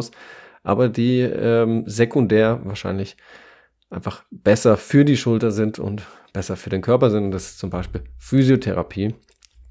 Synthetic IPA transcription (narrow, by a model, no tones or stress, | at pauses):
s | ʔa̰ːbɐdiːɛːmzekʰʊndɛːɐvaːɐʃaɪnlɪç | ʔaɪnfaχb̥ɛsɐfyːɐdiːʃʊltɐzɪntʰʊ̰nt | b̥ɛsɐfyːɐdeːnkʰœɐpɐzɪntʊntdasɪ̥st͡sʊmbaɪʃpiːlfyːzjotʰɛʁa̰pʰiː